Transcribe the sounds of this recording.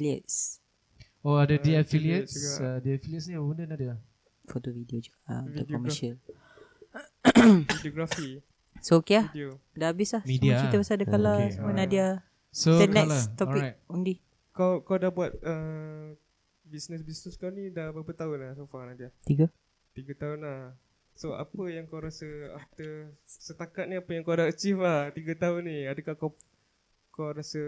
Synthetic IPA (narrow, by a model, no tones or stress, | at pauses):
iliə̰t̚s | oadədiafiliətsədiafiliətsundənadia | fot̪ovidiod͡ʒukaaʔdakɔməʃəl | idioɡɾafi | sookeahdodaabɪslahmidiat͡ʃiəbasadəkalasəmuənadia | soɛnɛalat̪ɔpiakt̚undi | kawkawdahbuat̪̚ə | bisnəsbisnəskawnidabəpət̪aʊnlahsofanadiat̪iɡə | t̪iɡət̪aʊnlah | soa̰pəjaŋkawɾasəa̰ft̪əsət̪akat̪̚niapəjaŋkawdaət͡ʃiflaht̪iɡət̪aʊnːiadəkakaw | kawɾasə